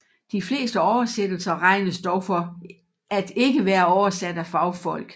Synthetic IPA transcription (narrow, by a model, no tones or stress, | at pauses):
d̥ifle̝̰ːsd̥əɒʊɐsed̥l̩sɐʁɑ̈ɪnəsd̥ɒʊfɒ̽ | æd̥e̝ɡəʋæːɐɒʊɐsæd̥æfɑ̈ʊfɒ̽l̰ɡ̥